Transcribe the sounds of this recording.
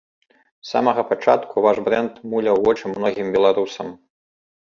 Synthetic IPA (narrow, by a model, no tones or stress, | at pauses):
sa̰mɐɣɐpat͡ʂat̪kuvaʐbɾɛnt̪mulʲɐwɔt͡ʂɨmnɔɣʲimbʲɛlˠaɾusɐm